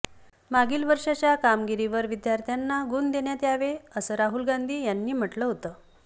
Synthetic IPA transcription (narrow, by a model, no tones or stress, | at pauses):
maɡiːlʋəɾʂat͡ɕjakamɡiɾiʋəɾʋid̪jaɾt̪ʰjanːaɡund̪eɳjat̪eaʋeəsəːɾaɦulɡand̪ʱiːjanːiːm̤əʈləɦot̪əː